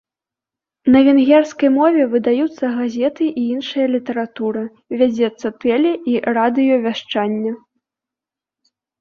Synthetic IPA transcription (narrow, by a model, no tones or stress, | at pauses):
nɐvʲɛnɣʲɛrskɐjmɔvʲɛvɨd̪ajut̪sːɐɣazʲɛt̪ɨʔiinʂɨjɐlʲit̪ɐɾat̪uɾɨ | vʲad͡zʲɛt̪sːɐt̪ɛlʲɛʔirad̪ɨjɔvʲaʂt͡ʂanʲːɐ